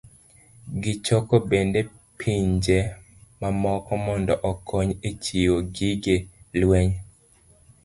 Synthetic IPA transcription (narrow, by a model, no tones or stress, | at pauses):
ɡɪt͡ʃɔkɔbende | pʰiɲd͡ʒe | mamɔkɔmɔndɔʔɔkʰɔɲet͡ʃioɡiɡelwɛɲ